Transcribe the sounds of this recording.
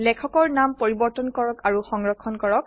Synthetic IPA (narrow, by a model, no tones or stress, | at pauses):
lɛkʰɔkɔɹnampoɹibɔɹtɔnkɔɹɔkaɹuxɔŋɹɔkʰːɔnkɔɹɔk̚